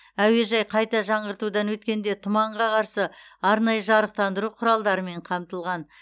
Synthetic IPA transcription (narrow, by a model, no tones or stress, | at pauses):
æwe̞ʒɑjqʰɑjt̪ɑʒɑɴəɾt̪ud̪ɑnwɵt̪kʲe̞nd̪e̞t̪ʰʊmɑɴʁɑqʰɑɾsəɑɾnɑjəʒɑɾəq̚t̪ɑnd̪əɾuqʰʊɾɑlˠd̪ɑɾəme̞ɴqʰɑmt̪əlˠʁɑn